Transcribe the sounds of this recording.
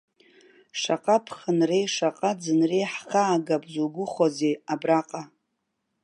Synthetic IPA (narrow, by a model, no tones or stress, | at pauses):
ʂaqʼapʰχənrejʂaqʼad͡zɨnrejħχaːɡapʼzuɡʷʊχozeabraqʼa